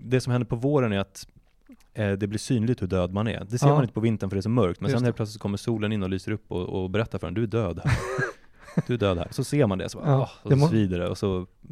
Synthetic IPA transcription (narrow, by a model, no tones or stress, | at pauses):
d̪ɛsɔmhɛnd̪əɾpʰɔvoːɾənæɾat̪ | d̪ɛblɪʂsyːnlɪɡt̪hɵɖøːd̪manæ̰ɾd̪ɛseːɾmanɪnəpʰɔvɪnt̪ənfœɖɛʂɔmœɾk̚t̪mɛnsɛheːlpʰlœtsɪt̪sɔkɔmːəʂuːlənɪnːɔlyːsəɾɵpːɔ̰ɔ̰bɛɾɛt̪ːafœɾhɛ̰nd̪ɵæɖøːd̪hæɾ | d̪ɵæɖøːd̪hæ̰ːɾɔsɔseːɾmand̪ɛ̰sɔb̰ɑɔsɔviːd̪aɾəɔ̰sɔ